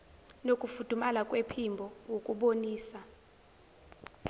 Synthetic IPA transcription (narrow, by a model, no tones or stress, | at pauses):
nokʼufud̥ʱumalakʼwepʰimbʱɔwokʼuɓoniːsa